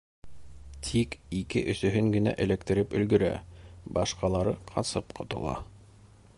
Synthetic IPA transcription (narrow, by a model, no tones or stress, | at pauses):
t̪ʰikikɘʔɵ̆sɵ̆ɦɵŋɡɘ̆næ̰ʔɘ̆lækt̪ɘ̆ɾɘpɵ̆lɡɵ̆ɾæ̰bɑʃqɑlˠɑɾɤqʰɑ̰sɤpqʰŏt̪ɤ̆lˠɑ̰